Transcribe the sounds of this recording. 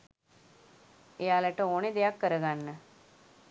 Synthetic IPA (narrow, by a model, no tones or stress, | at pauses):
ejaːlɛʈəoːned̪ejakːəɾəɡanːə